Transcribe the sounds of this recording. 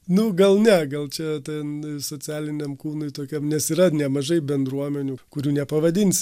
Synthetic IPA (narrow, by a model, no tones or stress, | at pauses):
nʊɡɐlˠnʲɛɡɐlˠt͡ʃʲɛt̪ʲɛnsoːt͡sʲæːlʲɪnʲɛmkuːnʊɪt̪oːkʲɛmnʲɛsiːɾɐnʲɛmɐʒɐɪbʲɛnd̪ɾuɔmʲɛnʲuːkʊɾʲuːnʲɛpɐʋɐd̪ʲɪnʲsʲ